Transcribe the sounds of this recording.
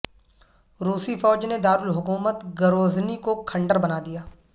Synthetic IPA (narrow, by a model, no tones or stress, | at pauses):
ɾuːsifɔːd͡ʒned̪aːɾʊlɦʊkuːmət̪ɡəɾoːznikokʰɐ̃ɳɖəɾbɐnaːd̪ijaː